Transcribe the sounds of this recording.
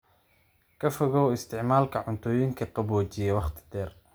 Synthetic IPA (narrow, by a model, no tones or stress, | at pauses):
kʰɐfɔɣɔːwɪst̪ʰɪʕmaːlkʰɐʕʊnt̪ʰɔːjɪŋkʰɐqɑbɔːt͡ʃɪjɛwɑχt̪ʰɪ̥d̪̥ɛːr